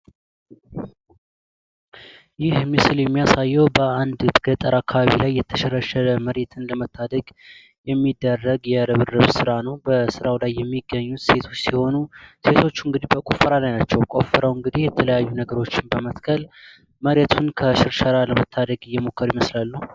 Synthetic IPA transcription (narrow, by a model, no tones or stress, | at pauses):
jɪhmɨsɨljɛmːijasajːɛwbəand̪ɡ̥ət̪ʼəɾakʰːaβaβḭlajːɛt̪ʰəʃɛɾəʃələməɾet̪ʰɨnləmət̪ʰːad̪əɡ | jɛmːid̪ːərːəɡjɛɾəβɨrɨβsɨɾanəwbəsɨɾawlajːɛmːiɡːəɲːut̪se̞t̪ʰo̞t͡ʃːsiho̞nuse̞t̪ʰo̞t͡ʃːɨŋɡɨd̪ibəkʼofəɾalajnat͡ʃːɛwkʼo̞̰fəɾəwɨŋɡɨd̪ihjɛt̪ʰələjajːunəɡəɾo̞t͡ʃːɪnbəmət̪kʰəl | məɾet̪ʰunkʰəʃɪɾʃəɾaləmət̪ʰːad̪əɡɨjːɛmo̞kʰːəɾiməslalːuh